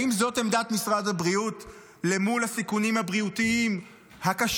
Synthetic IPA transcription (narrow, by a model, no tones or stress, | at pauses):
imzo̞te̞md̪at̪misʁadabʁiut | le̞mulhasikunimhabʁiutiim | hakaʃ